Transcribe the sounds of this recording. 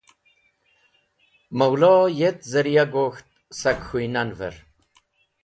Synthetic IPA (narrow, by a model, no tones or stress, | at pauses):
mɐwlojet̪zɐɾijaɡoːxt̪̚sɐkxujnanvə̰ɾ